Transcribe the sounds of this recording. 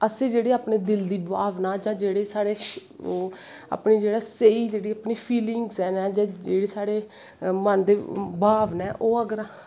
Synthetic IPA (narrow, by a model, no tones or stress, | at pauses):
əseːd͡ʒeːɽeːaːpɳeːd̪ɪld̪iːbaːʋnaːd͡ʒãːd͡ʒeːɽeːsaːɽeː | a̰ːpniːd͡ʒeːɽaːseiːd͡ʒeːɽiːaːpniːpʰiːlɪŋɡsɛːnɛːd͡ʒãːd͡ʒeːɽeːsaːɽeː | mənd̪eːbʱaːʋnɛːʔoːəɡəɾa